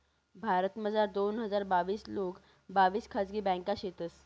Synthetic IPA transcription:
bʱaɾət̪məd͡zaɾd̪onɦəd͡zaɾbaʋiːslok | baʋiːskʰad͡zɡiːbɛ̃kaɕet̪əs

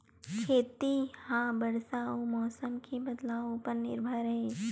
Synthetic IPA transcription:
kʰeːt̪ihãbɐɾsaːõmɔːsəmkʰibɐd̪laːõpɐɾnɪ̰ɾbʱəɾɦeː

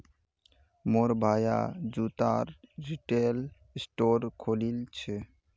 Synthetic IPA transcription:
moɾbʱaja̰d͡ʒut̪aɾɾiʈel | sʈoɾkʰolilt͡ʃʰe

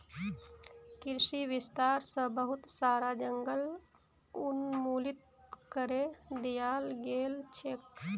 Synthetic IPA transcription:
kɪɾʃiʋɪst̪aːɾsəbəɦʊt̪saːɾad͡ʒəŋɡəl | ʊnmuːlɪt̪̚ | kəɾed̪ijaːlɡeːlt͡ʃʰeːk̚

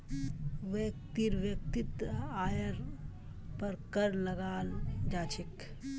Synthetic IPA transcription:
ʋekt̪iɾʋjək̚t̪it̪aːjəɾ | pəɾkəɾləɡaːld͡ʒaːt͡ʃʰik

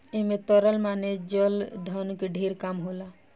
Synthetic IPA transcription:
emet̪ɔɾəlmaned͡ʒɔld̪ʱɔnkeɖʱeɾkamɦola

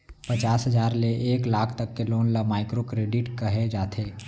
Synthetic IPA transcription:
pɐt͡ʃaːsɦəzaːɾleʔeːklaːkʰt̪ɐkːeloːnlamaːɪkɾokɾeːɖɪʈkɐɦed͡ʒaːt̪ʰeː

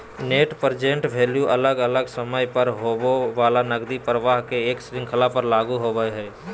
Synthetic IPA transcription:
neːʈpəɾd͡ʒẽɳʈbʱeljuʔələɡələɡsəməjpəɾɦoʋaːlanəɡd̪ipɾəʋaːɦkeeːksɾɪ̃ŋkʰəlapəɾlaːɡuɦobəjɦɛː

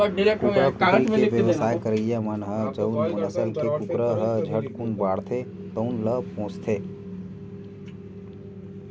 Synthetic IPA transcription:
kuɾəkuɾieʋjəʋsaːjkəɾəjəmənɦəd͡ʒəunmɐnəsəlkeukɾəɦəd͡ʒʱəʈkunbaːɽt̪ʰet̪əunləpõːst̪ʰeː

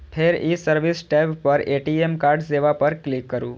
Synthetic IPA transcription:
pʰeɾisəɾʋisʈɛbpəɾeʈiemkaɾɖseʋapəɾklikːəɾṵ̃

